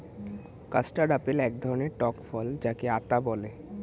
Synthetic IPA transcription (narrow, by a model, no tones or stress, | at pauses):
kasʈaɖapelɛk̚d̪ʱɔɾoneʈɔkfɔld͡ʑakeat̪abɔle